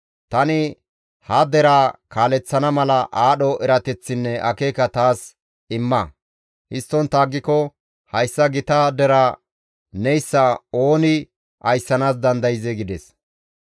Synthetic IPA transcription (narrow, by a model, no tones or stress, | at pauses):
t̪ɐnɪ | hɐd̪ɛɾaːkaːlɛt͡sːɐnɐmɐlɐʔaːɗɔɛɾɐt̪ɛt͡sːɪnːɛʔɐkeːkɐt̪aːs | ɪmːɐ | hɪst̪ːɔnt̪aːɡːɪkɔ | hɐjsːɐɡɪt̪ɐd̪ɛɾaː | nɛjsːɐo̞ːnɪ | ɐjsːɐnaːsd̪ɐnd̪ɐjɪzɛɡɪd̪ɛs